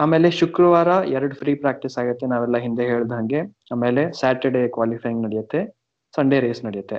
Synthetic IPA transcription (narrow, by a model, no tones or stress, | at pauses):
aːme̞ːleʃukɾɐʋaːɾɐɛɾɐɽupʰɾiːpɾaːk̚ʈisaːɡɐt̪ːenaːʋɛlːɐɦind̪eɦeːɭid̪ɦɐŋɡe̞ | aːmeːle̞saːʈɐɾɖekʋaːlipʰɐːjiŋɡnɐɽijɐt̪ːe̞ | sɐɳɖeɾeːsnɐɽijɐt̪ːe̞